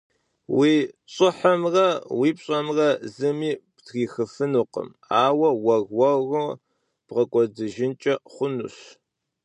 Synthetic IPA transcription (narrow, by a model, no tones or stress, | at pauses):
wiːɕʼɨħɐmrɐwiːpɕʼɐmrɐzɨmiːptʰɣiːxɨfɨnuːqə̰m | aːwɐwɐɣwɐɣʊ | b̥ʁɐkʷʼɔdɨʒɪnt͡ʃʼɐχʷʊnṵɕ